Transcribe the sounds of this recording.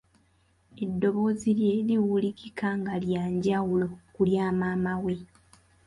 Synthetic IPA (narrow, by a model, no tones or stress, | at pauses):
e̞dːo̞βo̞ːzilje̞ːliwulikikaŋɡaljaːɲɟawulo̞kuljaːmaːmawe̞